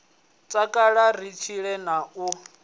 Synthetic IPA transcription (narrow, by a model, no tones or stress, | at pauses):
t͡sʼakʼaɺar̤it͡ʃʰiɺɛnau